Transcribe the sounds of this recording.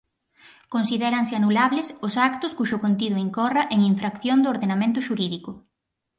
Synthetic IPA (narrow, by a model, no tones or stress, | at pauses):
konsiðɛɾɐŋsɪanulaβlɪsʊsakt̪ʊskuʃʊkont̪iðʊiŋkɔrɐʔeŋiɱfɾakθjond̪ooɾðenamẽnt̪ʊʃuɾiðikʊ